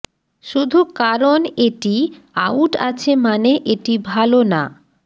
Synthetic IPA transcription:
ʃud̪ʱukaɾoneʈi | awʈat͡ɕʰemaneʔeʈibʱalona̰

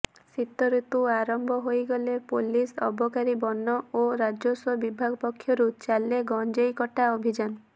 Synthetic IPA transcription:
sit̪ːɔɾet̪uaɾɔmbʱɔɦojɡɔlepolisɔ̰bʱɔkaɾibɔnːɔoɾad͡ʒoswɔbibʱaɡɔpɔkʰːjɔɾut͡ʃalːeɡɔnd͡ʒejkɔʈaobʱid͡ʒan

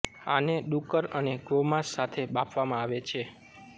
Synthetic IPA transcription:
a̰neɗukəɾəneɡomãsːat̪ʰebɓapʰʋamãaʋet͡ʃʰe

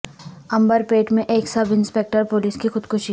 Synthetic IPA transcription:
ɐ̃mbəɾpeːʈmẽʔeːksɐbʱɪ̃nspeːk̚ʈəɾpoːliːskixʊd̪kʰʊʃi

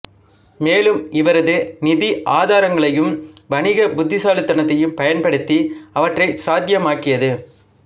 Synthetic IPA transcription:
meːlɯmɪʋɐɾɐðɯnɪðiʔaːðaːɾɐŋɡɐɭɐjɯmʋɐɳɪɣɐbʊd̪ːɪsaːlɯt̪ːɐɳɐt̪ːɐjɯmpɐjɐnpɐɽɯt̪ːiɐʋɐʈrɐɪsaːd̪jɐmaːkɪjɐðɯ

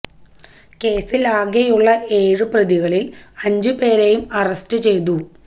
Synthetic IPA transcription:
ke̞ːsilaːɡejuɭːɐʔe̞ːɻɨprɐðiɣɐɭilɐɲd͡ʑɨpe̞ːɾejumɐrɐstɨt͡ɕe̞jt̪̬u

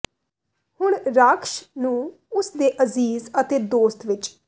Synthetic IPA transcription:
hʊɳɾakʃnũː | ʊsd̪eːʔəziːzət̪eːd̪oːst̪ʋɪt͡ʃ

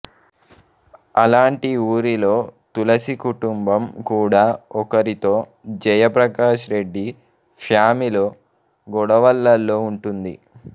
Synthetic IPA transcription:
ɐlaːɳʈiuːɾilo̞ːt̪ulɐsikuʈumbɐmkuːɽaːɔkɐɾit̪o̞ː | d͡ʒɐjɐpɾɐkaːʃɾe̞ɖːi | fʰjaːmiloː | ɡɔɽɐʋɐlːɐlːo̞ːuɳʈund̪ḭ

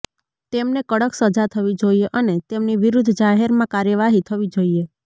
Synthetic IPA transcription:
t̪emnekəɽəksəd͡ʒat̪ʰəʋid͡ʒoieʔənet̪emniʋiɾud̪ʱd͡ʒaɦeɾmãkaɾjəʋaɦit̪ʰəʋid͡ʒoie

